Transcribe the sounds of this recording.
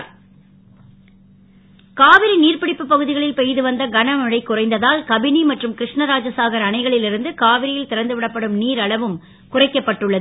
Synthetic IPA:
kaːʋɪɾiniːrpɪɽɪpːɯpːɐɣɯðɪɣɐɭɪlpɛjðɯʋɐnd̪ɐɡɐnɐmɐɻɐɪkːʊrɐɪnd̪ɐðaːlkɐbɪnimɐʈrɯmkɪɾɪʂɳɐɾaːd͡ʒɐsaːɣɐɾɐɳɐɪɣɐɭɪlɪɾɯnd̪ɯkaːʋɪɾɪjɪlt̪ɪɾɐnd̪ɯʋɪɽɐpːɐɽɯmniːɾɐɭɐʋɯm | kʊrɐɪkːɐpːɐʈːɯɭːɐðɯ

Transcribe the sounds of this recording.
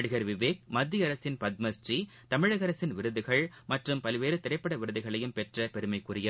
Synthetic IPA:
ɽɯɣɐɾʋɪʋeːk̚mɐd̪ːiɐɾɐsɪnpɐd̪̚mɐsʈri | t̪ɐmɪɻɐɣɐɾɐsɪnʋɪɾɯðɯɣɐɭmɐʈrɯmpɐlʋeːɾɯt̪ɪɾɐɪpːɐɽɐʋɪɾɯðɯɣɐɭɐjɯmpɛʈrɐpɛɾɯmɐɪkːʊɾɪjɐ

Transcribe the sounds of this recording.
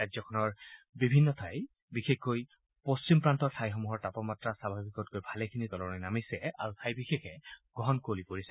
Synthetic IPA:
kajzɔkʰɔnɔɹbibʱinːɔtʰaj | bixexkoj | post͡ʃimpɹantɔɹtʰajxɔmuɦɔɹtapɔmatɹasabʱabikɔtkojbʱalɛkʰinitɔlɔnɔjnamisɛa̰ɹutʰajbixexɛɡ̥ɔɦɔnkolipoɹisɛ

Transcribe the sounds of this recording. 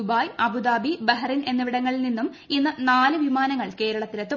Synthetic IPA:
ubaːjɐbud̪aːbibɐɦɐrine̞nːɐʋiɽɐŋːɐɭilninːum | inːɐnaːlɨʋimaːnɐŋːɐɭke̞ːɾɐɭɐt̪ːilɐt̪ːɨ

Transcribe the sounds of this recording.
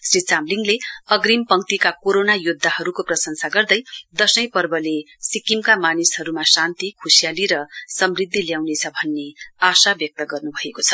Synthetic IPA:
srit͡samliŋleʌɡrimpʌŋt̪ikakoɾonajud̪ʱːaɦʌɾukoprʌsʌŋsaɡʌrd̪ʌjd̪ʌsʌjpʌrbʌle | sikimkamanishʌɾumasant̪ikʰusijaliɾʌsʌmrid̪ʱːiljawnet͡sʰʌbʱʌnːeasabjʌk̚t̪ʌɡʌrnubʱʌekot͡sʰʌ̥

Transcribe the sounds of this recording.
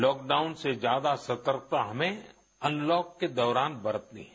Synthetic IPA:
lɔːk̚ɖaːʊnsed͡ʒjaːd̪asɐt̪əɾk̚t̪aɦɐmẽ | ɐ̃nlɔːkːed̪ɔːɾaːnbɐɾət̪nḭɦ

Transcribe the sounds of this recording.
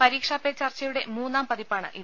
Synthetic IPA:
pɐɾiːkʂaːpːet͡ɕɐrt͡ɕːɐjuɽe̞muːnːaːmpɐðipːaːɳɨ̰ʔi

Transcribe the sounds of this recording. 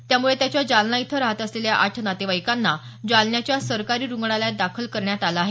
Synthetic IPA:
t̪jamuɭet̪jat͡ɕjad͡ʑalnait̪ʰəɾaɦət̪əsleljaʔaʈʰnat̪eʋajkanːa | d͡ʑalnjat͡ɕjasəɾkaɾiːɾuŋɡɳalad̪akʰəlkəɾɳjat̪alaaɦe

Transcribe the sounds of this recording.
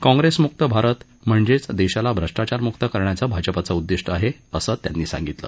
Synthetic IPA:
kɔ̃ŋɡɾesmuk̚t̪əbʱaɾət̪ | m̤əɳd͡zet͡sd̪eɕalabʱɾəʂʈat͡ɕaɾmuk̚t̪əkəɾɳjat͡sabʱad͡ʑəpat͡saud̪ːiʂʈəaɦeəsəːt̪ja̰nːiːsã̰ŋɡit̪lə̰ː

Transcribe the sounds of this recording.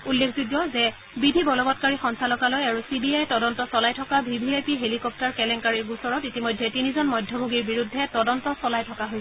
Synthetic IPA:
ulːekʰzudjɔzɛ | bidʱibɔlɔbɔtkaɹixɔnsalɔkalojaɹusibiajɛtɔdɔntɔsɔlajtʰɔkabʱibʱiejpiɦelikɔp̚taɹkɛlɛŋkaɹiɹɡusɔɹɔtitimɔjdʱːɛtinizɔnmɔjdʱjɔbʱoɡiɹbiɹudʱːɛtɔdɔntɔsɔlajtʰɔkaɦojs

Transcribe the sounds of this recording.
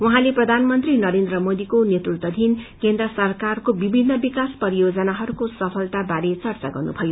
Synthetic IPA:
uɦãleprʌd̪ʱanmʌnt̪rinʌɾend̪rʌmod̪ikonet̪rukt̪ʌd̪ʱinkend̪rʌsʌrkarkobibʱinːʌbikaspʌɾijod͡zʌnaɦʌɾukosʌpʰʌlt̪abaɾet͡sʌrt͡saɡʌrnṵbʱʌjo

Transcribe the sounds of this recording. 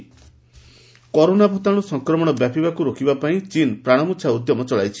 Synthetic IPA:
kɔɾonabʱot̪aɽ̃usɔŋkɾɔmɔɽ̃ɔbjapibakuɾokʰibapaĩt͡ʃinpɾaɽ̃ɔmutːʃʰaud̪jɔmɔt͡ʃɔɭa̰jt͡ʃʰi̥

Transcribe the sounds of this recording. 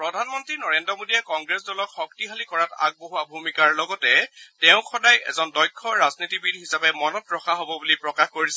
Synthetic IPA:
pɹɔdʱanmɔntɹinɔɹendɹɔmodiɛkɔŋɡɹesdɔlɔkxɔk̚tiɦʰalikɔɹata̰ɡ̚boɦuabʱumikaɹlɔɡɔtɛtɛʊ̃kʰɔdajɛ̰zɔndɔjkʰːɔɹaznitibidʱɦisapɛmɔnɔtɹɔxʰaɦobɔbulipɹɔkaxkoɹisɛ

